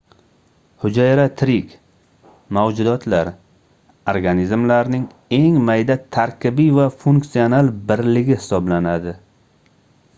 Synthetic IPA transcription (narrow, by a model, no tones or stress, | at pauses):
hʊd͡ʒajɾat̪ʰɾɪkʲ | mawd͡ʒʊd̪ɒt̪ʰlaɾ | oɾɡanizmlaɾnɪŋ | e̞ŋmajd̪at̪ʰaɾkʲɪbijvafuŋksijonalbɪɾlɪɡʲɪhɪ̥sɒblanad̪ɪ